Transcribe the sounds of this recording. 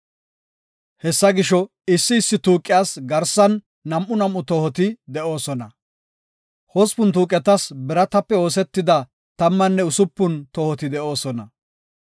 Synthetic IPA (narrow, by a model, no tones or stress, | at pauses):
hɛsːɐɡɪʃɔ | ɪsːɪːsːɪt̪uːkʼːɪjaːsɡɐɾsɐnː | ɐmʔʊnɐmːʊt̪ɔhɔt̪ɪd̪ɛʔo̞ːsɔnɐ | hɔspʊnt̪uːkʼːɛt̪ɐsbɛɾɐt̪ɐpːɛo̞ːs̬ɛt̪ːɪd̪ɐ | t̪ɐmːɐnːɛʊsʊpːʊnt̪ɔhɔt̪ɪd̪ɛʔo̞ːsɔnɐ